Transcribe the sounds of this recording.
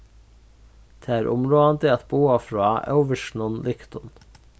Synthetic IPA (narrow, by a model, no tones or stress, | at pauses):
d̪̥ʰeːæːɾʔʊmɾoːɑnd̪ɪɑt̪̚buːɑfɹɑːʔœ̰ʊʋəʃɳ̩ɔnlɪkt̪ʊn